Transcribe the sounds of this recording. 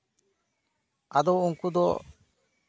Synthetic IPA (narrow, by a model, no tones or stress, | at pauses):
ad̪ɔwuŋkud̪ɔ̰